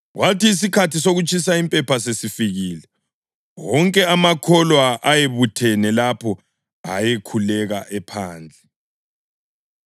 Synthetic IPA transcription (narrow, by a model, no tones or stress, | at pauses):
ɣwatiːs̬ikʰatisoɣut͡ʃʼʰis̬aimpʼɛpasesifiɣilɛ | wɔŋkʼɛamakʰɔlwaʔajeβutʰɛnɛlapʰɔ | a̰jekʰulɛɣaʔɛpʰaːnd͡ɮʱɛ